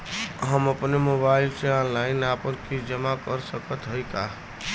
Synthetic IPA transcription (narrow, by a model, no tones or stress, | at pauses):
ɦəməpnemobailseãnlaɪnapənkʰid͡ʒəmakəɾsəkət̪ɦəjka